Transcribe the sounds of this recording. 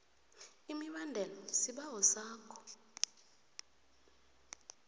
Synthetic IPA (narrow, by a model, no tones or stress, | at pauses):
imiɓandʱɛlɔsiɓaɦɔsaːkʰɔ̥